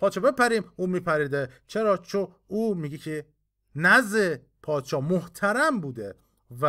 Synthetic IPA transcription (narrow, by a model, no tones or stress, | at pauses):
pʰɒːd̪ʃɒːbe̞pæɾiːmuːmiːpʰæɾiːd̪et͡ʃʰeɾɒːt͡ʃʰon | uːmiːɡecʰe | næze | pʰɒːd̪ʃɒːmoht̪ʰæɾæmbuːd̪e | væ